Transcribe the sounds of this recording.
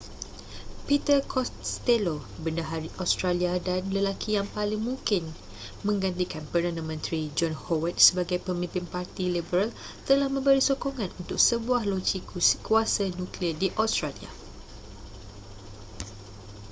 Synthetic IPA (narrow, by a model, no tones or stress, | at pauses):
pit̪əkʰɔt̪elobəndaɦaɾiʔast̪ɾaliadanləlakʰijaŋpalɪŋmũŋkɪn | mə̃ŋɡant̪ikanpərdandə̃mə̃nt̪ɾid͡ʒɔnhowət̪̚səbaɡajpəmĩmpɪnpart̪ilibəɾal | t̪əlahmə̃mbəɾisokoŋãnunt̪ʊk̚səbuahlod͡ʒikuasanũkliədiʔast̪ɾalia̰